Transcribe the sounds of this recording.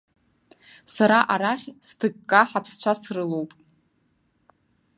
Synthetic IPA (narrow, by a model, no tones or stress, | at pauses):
saɾaʔaɾaχʲstʰɨɡkʼːaħapʰst͡ɕʷʰasrɨlowpʼ